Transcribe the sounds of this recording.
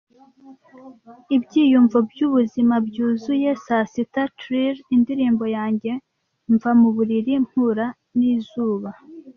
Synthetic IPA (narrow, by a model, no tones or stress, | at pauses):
ibɟiːjuɱvobɟuβuzimabɟuːzuje̞sasitatɾiɾindiɾiːmbo̞jaːɲɟe̞ | ɱvamuβuɾiɾim̥huɾa | niːzuːβa